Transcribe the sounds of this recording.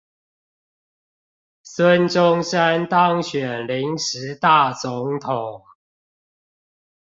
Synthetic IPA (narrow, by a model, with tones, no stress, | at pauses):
swə˦nʈ͡ʂʊ˦ŋʂa˦nt̪ɑ˦ŋɕɥɛ˨˩nli˨˦ŋʂɻ̩˨˦t̪a˥˨˩t͡sʊ˨˦ŋt̪ʰo˨˩˦ŋ